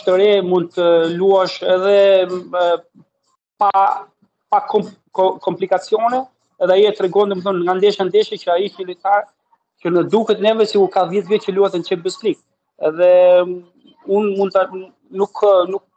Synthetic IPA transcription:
ʃt̪əɾɛmund̪̚t̪əluaʃɛðɛ | pa | pakʰɔ | kɔmplikat͡sjɔnɛ | ɛðɛajiɛt̪ɾɛɡɔnd̪ɔmɛθɔnŋɡand̪ɛʃand̪ɛʃɛcəaihilit̪aɾ | cənəd̪ukɛt̪nɛvɛsikuɾkaðjɛt̪vɛt̪t͡ʃəluɛt̪ənt͡ʃɛbəslik̚ | ɛðɛ | unmund̪ | nuknuk̚

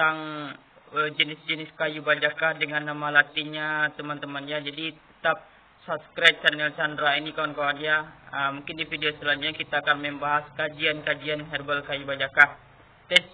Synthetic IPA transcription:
t̪aŋ | əd͡ʒənɪsd͡ʒənɪskajubad͡ʒakahdəŋanːamalat̪iɲat̪əmant̪əmanijad͡ʒadit̪ə̥t̪ap̚ | sabskɾat̚t͡ʃanɛlt͡ʃandɾainikawankawaniaəmuŋkɪndifideosəlaɲd͡ʒuɲakit̪aːkanmɛmbaɦaskad͡ʒiankad͡ʒianɦɛrbəlkajubad͡ʒakah | t̪ɛ

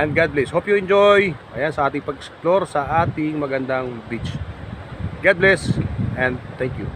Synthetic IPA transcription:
ʔɛ̃nd̪̚ɡad̪̚blɛshopjuɛ̃nd͡ʒojʔɐjansɐʔaːt̪ɪŋpɐɡɛsploɾsɐʔaːt̪ɪŋmɐɡɐnd̪aŋbit͡ʃ | ɡad̪̚blɛsʔɛ̃nd̪̚t̪ɛŋkju

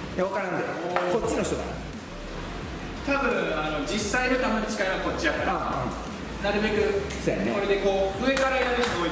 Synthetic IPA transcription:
jaβakaɾãnd̪eko̞t͡ɕːino̞çi̥t̪od̪a̰na̰ | t̪abɯ̟̃ɰano̞d͡ʑisːainot̪ameɲit͡ɕi̥kaiβako̞t͡ɕːid̪akaɾã | naɾɯ̟be̞kɯ̟soja̰neko̞ɾed̪e̞ko̞ːɯ̟e̞kaɾajiaɾɯ̟sɨɡoi

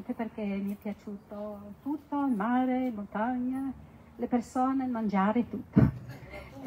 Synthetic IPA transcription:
t̪eperkɛmiɛpːjat͡ʃut̪ot̪ut̪ːolmaɾeilmont̪aɲa | lepersɔnemand͡ʒaɾet̪ut̪ʰːo

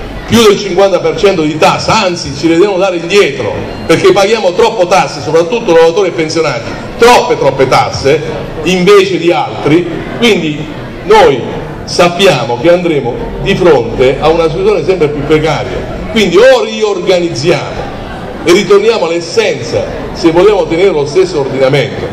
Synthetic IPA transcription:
pjud̪elt͡ʃiŋkwant̪apert͡ʃɛnt̪od̪it̪asːaant̪sit͡ʃived̪ɾemod̪aːɾeind̪jɛːt̪ɾo̰ | perkepːaɡjaːmot̪ɾɔpːot̪asːesopɾat̪ːut̪ːolovat̪oːɾiapensjonaːt̪i | t̪ɾɔpːet̪ɾɔpːet̪a̰sːe | iɱveːt͡ʃed̪ialt̪ɾi | kwind̪i | noj | sapːjaːmok̟eand̪ɾeːmo | d̪ifɾont̪eʔaunasiuzjoːnesɛmpɾepjupːɾekaːɾja̰ | kwind̪ioriorɡanid̪zːjaːmo̰ | erːit̪ornjaːmoalɛsːɛnt̪sa̰ | sevːoljaːmot̪eneːɾelost̪esːoːrd̪inament̪o

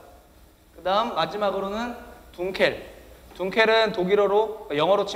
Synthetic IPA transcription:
kɯdaɯmːad͡ʑimaɡɯɾonɯntuŋkʰe̞ɭtuŋkʰe̞ɾɯntoɡiɾoɾojʌŋɦʌɾot͡ɕʰi

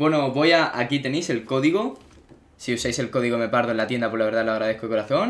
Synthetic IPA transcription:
bwe̞noβo̞jaʔakit̪e̞nejse̞lko̞ðiɣo | siusajse̞lkoðiɣome̞paɾðonlat̪je̞nd̪apo̞zlaβe̞ɾðalaɣɾað̞ekoko̞ɾaθo̞n

